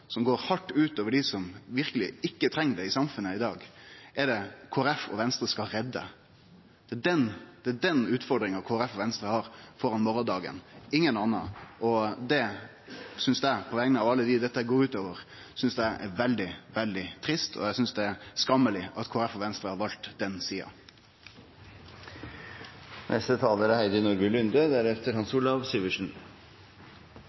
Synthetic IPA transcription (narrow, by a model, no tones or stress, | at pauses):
sɔmɡoːɾhɑʈːʉːt̪oːʋəɖɪsɔmʋɪɾkəlɪ̰ɪkːət̪ʰɾɛŋːd̪ɛɪsɑmfʉnːəɪd̪ɑːɡɛɖɛkʰoːəɾɛfɔ̰ʋɛnst̪ɾəskɑlɾɛd̪ːə̰ | d̪̥ɛɖɛnd̪̥ɛæɖɛnʉːt̪fɔɾd̪ɾɪŋɑkʰoːɾɛfɔʋɛnst̪ɾəhɑɾfɔɾɑnmɔɾɔnd̪ɑːɡə̰nɪŋːənɑnːɑ̰ɔd̪ɛ | sʏnsd̪æɪpʰɔʋɛŋənəɑʋɑlːəd̪ɪd̪ɛt̪ːəɛɡoːɾʉːt̪oːʋəɾsʏnsd̪æɪʔɛʋɛld̪ɪʋɛld̪ɪt̪ʰɾɪst̪ʰɔ̰jæɪsʏnsd̪ɛæɾskɑmːəlɪɑt̪kʰoːɾɛfɔʋɛnst̪ɾəhɑɾʋɑlt̪d̪ɛnsiːɑ̰ | nʔɛst̪ət̪ʰɑːləɾɛhæɪd̪ənʊɾɡəlʉnd̪əd̪æɾɛft̪əɾhɑnsuːlɑʋsiːʋəʂn̩